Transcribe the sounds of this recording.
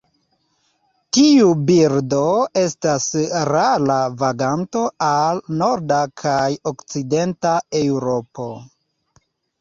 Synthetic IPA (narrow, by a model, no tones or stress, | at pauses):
tiubiɾdo̞e̞stasɾalavaɡanto̞alno̞ɾdakʰajo̞kt͡side̞ntaewɾo̞po̞